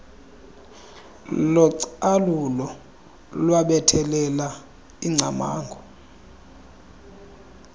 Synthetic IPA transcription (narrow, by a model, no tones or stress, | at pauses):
lɔǀalulɔ | lwaɓɛtʰɛlɛla | iŋ͡ǀʱama̰ːŋɡʱɔ